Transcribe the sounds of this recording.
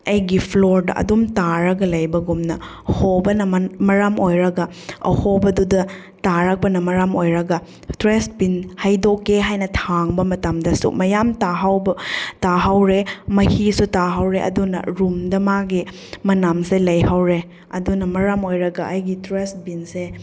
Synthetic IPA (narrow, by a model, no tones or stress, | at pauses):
ɐjɡipʰloɾdɐ̰ɐ̰dumtaɾɐɡɐlɐjbɐɡumnɐ̰ | hobɐnɐmɐɾamojɾɐɡɐ | ɐ̰hobɐdudɐ | taɾɐk̚pɐnɐmɐɾamojɾɐɡɐ | tɾestbinhɐjdokːeɦajnɐtʰaŋbɐmɐtɐmdɐsṵmɐjamtaɦawbtaɦawɾemɐhisutaɦawɾeʔɐ̰dunɐ̰ɾumdɐmaɡi | mɐnamselɐjhawɾe | ɐdunɐmɐɾamojɾɐɡɐʔɐjɡitɾest̚binse